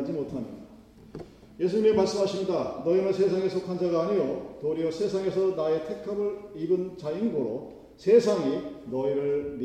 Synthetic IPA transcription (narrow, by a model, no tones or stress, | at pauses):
d͡ʑimotʰamḭda | jesʰuɲimemaɭs͈ɯmɦaɕʰimɲidanʌimɯɭsʰes̬ʰaŋe̞sʰʌkʰand͡ʑaɡaːɲijotoɾiosʰe̞sʰaŋe̞sʰʌnae̞tʰe̞kʰabɯɭibɯnt͡ɕainɡoɾo | sʰesʰaŋinʌiɾɯɭn